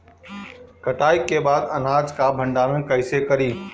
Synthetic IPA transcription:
kɐʈaːɪkːeːbaːd̪ɐnaːd͡ʒkãːbʱɐ̃ɳɖaːnənkɐɪsekɐɾiː

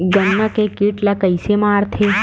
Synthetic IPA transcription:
ɡənːakekiʈlakəjsemãːɾt̪ʰe

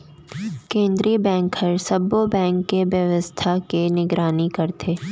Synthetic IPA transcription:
kẽːnd̪ɾibɛ̃ːŋkəɾsɐbːobɛ̃ːŋkːeʋjɐʋəst̪ʰakenɪɡɾaːnikɐɾt̪ʰeː

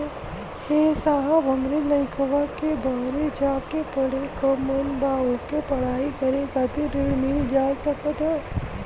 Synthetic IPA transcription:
heːsaːɦabʱɐmɾilɐɪkʰəʋakebaːɾed͡ʒaːkepɐɽekɔːmənbaːokepɐɽ̤aːikɐɾẽkɐt̪iɾɪɽmild͡ʒaːsɐkət̪ɦɛː

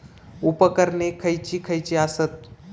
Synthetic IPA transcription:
upəkəɾnekʰəjt͡ɕikʰəjt͡ɕiasət̪̚

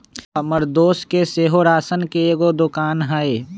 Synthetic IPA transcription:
ɐməɾd̪oːskeseːɦoɾaːsənkeeːɡod̪ʊkaːnɦaeː

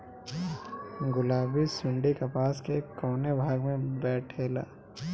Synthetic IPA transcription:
ɡʊlaːbisʊ̃ɳɖikɐpaːskekoːnebʱaːɡmẽbɛːʈʰeːla̰ː

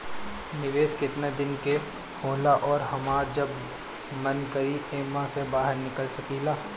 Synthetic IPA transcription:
nɪʋeːskɪt̪ned̪ɪnke | hoːlaʔɔːɾɦɐmaːɾd͡ʒɐb | mɐnkɐɾiʔeːmãsebaːɦəɾnɪkəlsɐkiːlaː

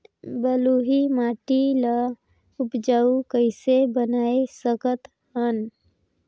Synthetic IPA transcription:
bəluɦimaːʈila | ʊpd͡ʒaːukəɪsebənaːesəkət̪ | ɦən

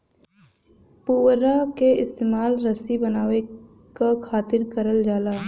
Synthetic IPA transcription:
puːwɾakeɪst̪eːmaːlɾəsibənaːʋe | kakʰaːt̪ɪɾkəɾəld͡ʒaːlaː

